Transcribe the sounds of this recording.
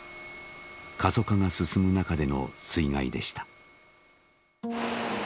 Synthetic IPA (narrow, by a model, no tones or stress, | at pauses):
kʰazo̞kaŋasɨsɨmɯ̟nakad̪e̞no̞̰sɨiŋaḭd̪e̞ɕi̥t̪ḁ